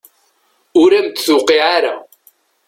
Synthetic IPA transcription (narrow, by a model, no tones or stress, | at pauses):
ʊɾæmt̪θʊqiʕaɾa